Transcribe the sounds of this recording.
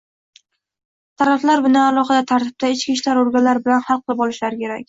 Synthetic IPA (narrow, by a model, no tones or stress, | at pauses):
t̪ʰaɾaflaɾbʊnaalˠɒqɑd̪at̪ʰaɾt̪ʰɪ̥b̚p̚t̪ʰaɪt͡ʃkʲiʃlaɾoɾɡʲanlaɾɪbɪlanhɑlˠqʰɨlˠɪpɒlˠɪʃlaɾɪkʲʰe̞ɾakʲ